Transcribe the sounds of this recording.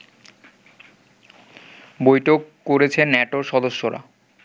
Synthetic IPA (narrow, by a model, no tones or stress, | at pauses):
bojʈʰokːoɾet͡ɕʰenɛʈoɾʃɔd̪oʃːoɾa̰